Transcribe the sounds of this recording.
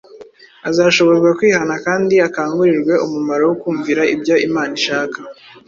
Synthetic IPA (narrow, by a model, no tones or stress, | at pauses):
azaːʃo̞βo̞ɾɡwakwiːhanakaːndiakaːŋɡuɾiɾɡwe̞ʔumumaɾowokuːɱviɾaḭbɟoimaːniʃaːkḁ